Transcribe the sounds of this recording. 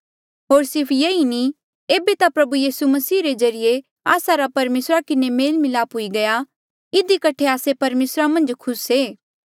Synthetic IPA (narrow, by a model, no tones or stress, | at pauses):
ɦoːɾsɪɾpʰjeːini | eːbet̪apɾɐbujiːsumɐsiːɾed͡ʒɐɾɪje | a̰ːsaɾapɐɾmeːsɾakɪnemeːlmɪlaːpʊiɡɐja | ɪd̪ikɐʈʰeaːsepɐɾmeːsɾamɐ̃nd͡ʒkʰʊseː